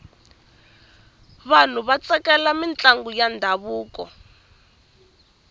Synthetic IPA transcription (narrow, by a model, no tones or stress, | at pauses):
βan̤uβat͡sɛkɛlamint͡ɬaŋɡujandʱaβuːkɔ̰